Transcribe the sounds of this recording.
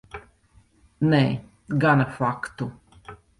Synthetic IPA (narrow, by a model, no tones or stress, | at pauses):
nɛː | ɡanafakt̪u